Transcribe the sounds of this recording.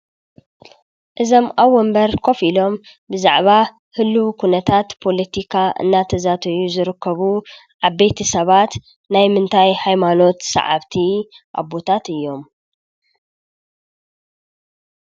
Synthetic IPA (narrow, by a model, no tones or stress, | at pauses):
ʔɨzo̞mʔawɔmbɐɾkʰo̞filo̞m | bɨza̰ʕβa | hɨlːuwkʰunɐt̪ʰat̪pʰo̞lɐt̪ʰikʰaʔɨ̰nːat̪ʰɐzat̪ʰɐjuzɨɾɨkːɐβu | ʕaβbejt̪ʰɐsɐβat̪ | najmɨnt̪ʰajhajmano̞t̪sɐ̰ʕa̰βt̪ʰiʔa̰βot̪ʰat̪ɨjːo̞m